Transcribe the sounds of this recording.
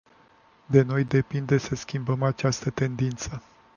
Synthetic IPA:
d̪e̞no̞jd̪e̞pind̪e̞səskʲimbəmat͡ʃast̪ət̪e̞nd̪int̪sə

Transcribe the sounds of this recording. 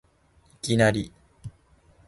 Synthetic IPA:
ikʲinaɾʲi

